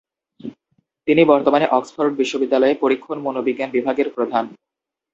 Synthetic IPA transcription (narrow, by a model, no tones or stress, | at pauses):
t̪inibɔɾt̪omaneʔɔksfʰaɾuʈ̚biʃːobid̪ːalɔepoɾikʰːonmonobiɡːanbibʱaɡeɾpɾod̪ʱan